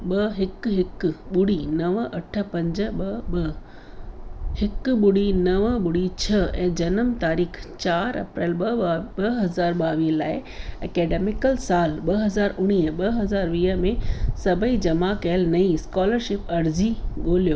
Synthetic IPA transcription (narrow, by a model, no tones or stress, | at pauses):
ɓɐɦɪkɦɪkɓʊɽinɐʋʔɐʈʰə̆pɐ̃ɲd͡ʑə̆ɓɐ | hɪkɓʊɽinɐʋəɓʊɽit͡ɕʰɐɛ̰̃ːd͡ʑɐnəmt̪aːɾiːkʰt͡ɕaːɾɐ̰pɾɛːlɐɦɐzaːɾɓaːʋiːəlaːɪɐkeːɖeːmɪkəlsaːlɓɐɦɐzaːɾʊɽ̃iːəɓɐɦɐzaːɾʋiːə̆mẽsɐbʱəid͡ʑɐmakɐəlnɐĩskɔːləɾʃɪpɐɾziɠoːlijoː